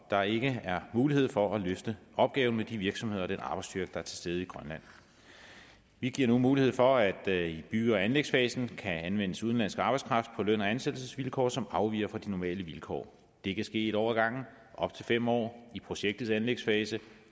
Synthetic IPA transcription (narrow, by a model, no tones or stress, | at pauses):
d̥ɑ̈e̝ɡ̥əæɐmuːlihe̝ð̞̰ˠfɒ̽æløfd̥əʔɒ̽b̥̚ɡ̥ɛːʊn̩med̥iʋiɐɡ̥sɒmhe̝ð̰ˠɒd̥enʔɑ̈b̥ɑ̈ɪsd̥yɐɡ̥əd̥ɑ̈æɐt͡sʰe̝lsd̥eð̞̩ˠiɡ̥ʁɶnlæn̰ | ʋiɡ̥iɐ̰numuːlihe̝ð̰ˠfɒ̽æd̥ib̥y̰ːɒænleɡ̥sfɛːsn̩kʰæænʋen̰əsuðˠnlæn̰sɡ̥ɑ̈b̥ɑ̈ɪskʰʁɑ̈fd̥̚pʰɒ̽løn̰ɒænsed̥l̩səsʋilkʰɒ̰ːsɒ̽mɑ̈ʊʋḭːɐfɒ̽d̥inɒmɛ̰ːləʋilkʰɒ̰ː | d̥e̝kʰæsɡ̥e̝̰ːiɾɒʊɐɡ̥ɑ̈ŋ̰n̩ | ʔɒ̽b̥t͡sʰe̝lfem̰ɒ̰ːipʰʁo̝ɕeɡ̥̚d̥ð̩ˠsænleɡ̥sfɛːsə